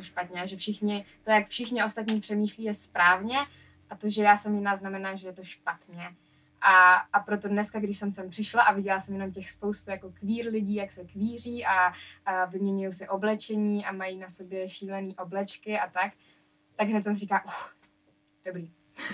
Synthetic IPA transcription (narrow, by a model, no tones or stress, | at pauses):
jt̪oʃpat̪ɲɛaʒɛfʃɪxɲɪt̪o̞jakfʃɪxɲɪo̞st̪at̪ɲiːpr̥ɛmiːʃliːjɛspɾaːvɲɛ | ʔat̪oʒɛjaːsɛmjɪnaːznamɛnaːʒɛjɛt̪o̞ʃpat̪ɲɛ | ʔaːpɾo̞t̪o̞dnɛskaɡdɪʃsɛmsɛmpr̥ɪʃlaʔavɪɟɛlasɛmjɛno̞mcɛxspo̞wst̪ujako̞kviːɾlɪɟiːjaksɛkviːr̝iːʔa | vɪmɲɛɲujowsɛʔo̞blɛt͡ʃɛɲiːʔamajinaso̞bjɛʃiːlɛniːʔo̞blɛt͡ʃkɪʔat̪ak | t̪aɡɦnɛcsɛmriːkaːʔux | d̥obɾiː